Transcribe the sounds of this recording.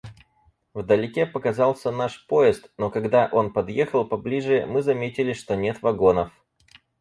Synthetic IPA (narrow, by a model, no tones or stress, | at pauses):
vd̪əlʲɪkʲepəkɐzɑlˠsʲənaʂpo̞ɪst̪no̞kɐɡd̪aʔo̞npɐd̪jexəlˠpɐblʲiʐɨmɨzɐmʲetʲɪlʲɪʂt̪onʲe̞t̪vɐɡo̞nəf